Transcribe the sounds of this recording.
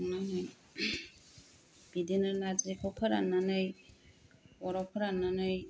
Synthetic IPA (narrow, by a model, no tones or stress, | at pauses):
nanɯj | b̥idinanazikʰɔkʰaɾananɯj | ɔɾɔkʰaɾananɯj